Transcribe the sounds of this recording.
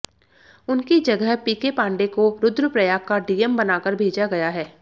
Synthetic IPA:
ʊnkid͡ʒɐɡəɦpiːkepãːɳɖekoɾʊd̪ɾəpɾɐjaːkkaɖiːɛmbɐnaːkəɾbʱeːd͡ʒaɡɐjaɦɛː

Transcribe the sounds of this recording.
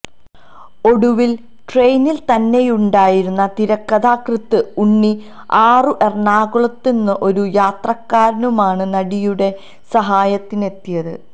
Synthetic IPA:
o̞ɽuʋil | ʈre̞jnilt̪ɐnːe̞juɳɖaːjiɾunːɐt̪iɾɐkːɐðaːkrɨt̪ːɨuɳːi | aːrɨʔe̞rɳaːɣuɭɐt̪ːenːɨʔo̞ɾujaːt̪rɐkːaːɾnumaːɳɨnɐɽijuɽe̞ | sɐɦaːjɐt̪ːine̞t̪ːijɐðɨ

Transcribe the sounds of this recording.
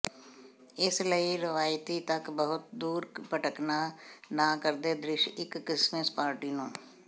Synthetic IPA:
ɪsləiɾɪʋaːjt̪it̪əkbəɦʊt̪̚d̪uːɾpəʈəknanakəɾd̪ed̪ɾɪʃɪkːɪsmespaːɾʈinũː

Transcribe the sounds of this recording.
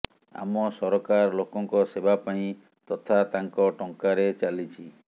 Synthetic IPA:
a̰mɔsɔɾɔkaɾlokɔŋkɔsebapaĩ | t̪ɔt̪ʰat̪aŋkɔʈɔŋkaɾet͡ʃalit͡ʃʰi

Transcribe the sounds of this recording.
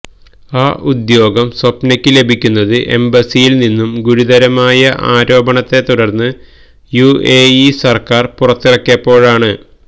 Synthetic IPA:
aːʔud̪jo̞ːɡɐmswɐpnɐkʲːɨle̞bʱikʲːunːɐðɨʔe̞mbɐsijilninːumɡuɾud̪ɐɾɐmaːjɐʔaːɾo̞ːbɐɳɐt̪ːe̞t̪ːuɽɐrnːɨ | jueːisɐrkaːrpurɐt̪ːirɐkːjɐpːo̞ːɻaːɳɨ

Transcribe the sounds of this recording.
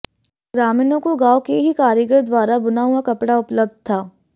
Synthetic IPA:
ɡɾaːminõkoɡaːokeɦikaːɾjəɡɾəɾd̪waːɾabʊnaːuakɐpɽaʊpləb̚d̪̚t̪ʰaː

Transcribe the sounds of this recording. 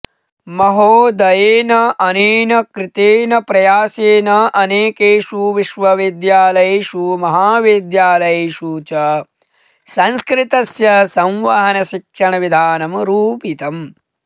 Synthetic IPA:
mɐɦoːd̪ɐjeːnɐʔɐneːnɐkɾɪt̪eːnɐpɾɐjaːseːnɐʔɐneːkeːʃuʋiʃʋɐʋid̪jaːlɐjeːʃumɐɦaːʋid̪jaːlɐjeːʃuːt͡ʃɐ | sɐ̃nskɾɪt̪ɐsjɐsɐ̃wʋɐɦɐnɐʃikʂɐɳɐʋid̪ʱaːnɐmɾuːpit̪ɐm

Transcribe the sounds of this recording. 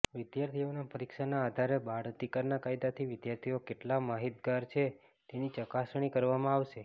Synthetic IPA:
ʋɪd̪jaɾt̪ʰionapəɾikʃanaːd̪ʱaɾebaɽt̪ikəɾnakaid̪at̪ʰiʋɪd̪jaɾt̪ʰiokeʈlamaɦit̪ɡaɾt͡ʃʰe | t̪enit͡ʃəkasɳ̃ikəɾʋamãaʋʃe

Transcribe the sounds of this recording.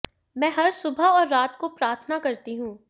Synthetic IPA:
mɛ̃ːɦɐɾsʊbʱaɔːɾːaːt̪kopɾaːɾt̪ʰənakɐɾt̪iɦũː

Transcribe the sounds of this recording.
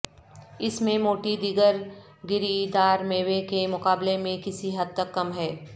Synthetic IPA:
ɪsmẽmoːʈid̪ɪɡəɾ | ɡɪɾid̪aːɾmeːʋekemʊkaːblemẽkɪsiɦɐd̪̚t̪ɐkːɐmɦɛː

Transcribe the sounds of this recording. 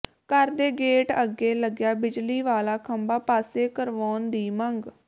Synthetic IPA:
kəɾd̪eːɡeːʈəɡeːləɡjaːbɪd͡ʒliːʋaːlaːkʰəmbaːpaːseːkəɾʋɔːnd̪iːməŋɡ

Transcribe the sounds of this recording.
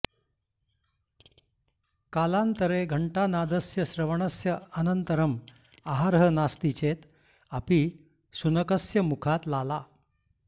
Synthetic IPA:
kalant̪əɾeɡʱəɳʈanad̪əsjəɕɾəʋɳəsjəənənt̪əɾəm | aɦaɾɦənast̪it͡ɕet̪ | api | sunəkəsjəmukʰat̪lala

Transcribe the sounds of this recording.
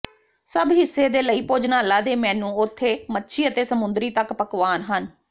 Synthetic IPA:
səbɦɪsːeːd̪eːləiːpoːd͡ʒnaːlaːd̪eːmɛ̃ːnũːʊt̪ʰːeːmətːʃʰiːət̪eːsəmʊ̃nd̪ɾiːt̪əkpəkʋaːnɦən

